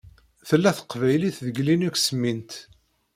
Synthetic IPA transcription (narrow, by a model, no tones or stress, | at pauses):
θəlːæθə̥qːvæjliθðəɡlinæksəmːint̪